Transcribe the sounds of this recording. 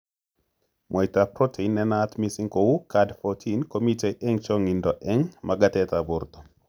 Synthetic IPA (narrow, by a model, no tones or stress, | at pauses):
mʔɔjtapɾɔtʰeinːɛnat̪misiŋkowukadfɔtʰinkomiteʔɛŋt͡ʃɔŋindɔʔɛŋmaɡat̪ɛt̪abʊɾt̪ɔ̥